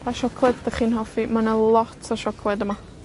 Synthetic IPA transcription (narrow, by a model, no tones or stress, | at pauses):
pʰaʃɔkʰlˠɛddəχiːnhɔfimanəlˠɔtʰəʃɔkʰlˠɛdəma